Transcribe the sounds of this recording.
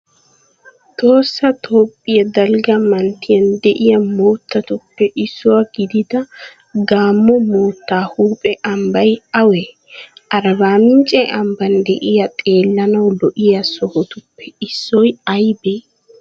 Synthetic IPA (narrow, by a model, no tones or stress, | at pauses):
t̪o̞ːsːɐt̪ʰo̞ːpʼːɪjɐd̪ɐlɡɐmɐnt̪ɪjɐnd̪ɛʔɪjɐmoːt̪ːɐt̪ʊpːɛʔɪsːʊwaɡ̥ɪd̪ɪd̪ɐ | ɡaːmːɔmoːt̪ːaːhuːpʼɛʔɐmbɐjɐwɛ | ʔɐɾɐbaːmɪnt͡ʃʼɛʔɐmbɐnd̪ɛʔɪjɐt̪ʼe̞ːlːɐnɐwlɔʔɪjɐsɔhɔt̪ʊpːɛɪsːɔjɐjbeː